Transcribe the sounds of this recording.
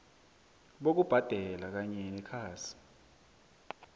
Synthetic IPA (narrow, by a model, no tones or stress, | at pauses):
ɓok̬ub̥ʱad̥ʱɛlak̬aɲɛnɛkʰaːsi̥